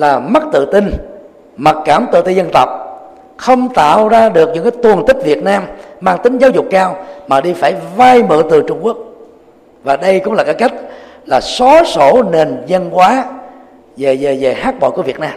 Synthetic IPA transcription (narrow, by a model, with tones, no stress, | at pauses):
laː˨˩ma˦˥k̚t̪ɨ̰˧˨t̪ï˧ŋ | ma˨˩t̚kaː˧˩mt̪ɨ̰˧˨t̪i˧zə˧nt̪ə˨˩wk͡p̚ | xə˧wŋ͡mt̪a̰ː˧˨wzaː˧ɗɨ˨˩ək̚ɲɨ̰˧˥ŋkaː˨˦jt̪u˨˩ənt̪ï˦˥k̟̚vi˨˩ət̚naː˧mmaː˧ŋt̪ï˨˦ŋzaː˨˦wzʊ˨˩k͡pkaː˧wmaː˨˩ɗi˧faː˧˩jva˧jmɨ̰˧˨t̪ɨ˨˩t͡ɕʊ˧ŋ͡mku˦˥ək̚ | vaː˨˩ɗə˧jkʊ̰˧˥ŋ͡mlaː˨˩kːaː˦˥jka˦˥jk̟̚ | laː˨˩sɔ˨˦so˧˩ne˨˩nzə˧nkwaː˨˦ | ve˨˩ze˨˩ze˨˩haː˦˥k̚ɓɔ̰˧˨kəvi˨˩ət̚naː˧m